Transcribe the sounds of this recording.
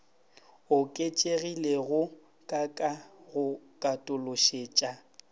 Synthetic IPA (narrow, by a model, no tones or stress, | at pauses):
ʊkʼet͡ʃʼeɣileɣʊ | kʼakʼaɣʊkʼatʼʊlʊʃeːt͡ʃʼa